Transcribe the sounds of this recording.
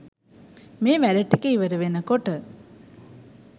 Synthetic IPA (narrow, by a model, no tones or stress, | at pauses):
meːʋæɾəʈikəiʋɐɾəʋenəkoʈə